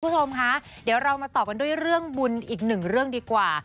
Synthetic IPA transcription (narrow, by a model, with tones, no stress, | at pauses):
t͡ɕʰo˧mkʰa˦˥ | di˩˦wɾa˧wmaː˧t̪ɔː˨˩ka˧ndu˥˩əjɾɯ˥˩əŋbu˧nʔiː˨˩k̚nɯ˨˩ŋɾɯ˥˩əŋdiː˧kwaː˨˩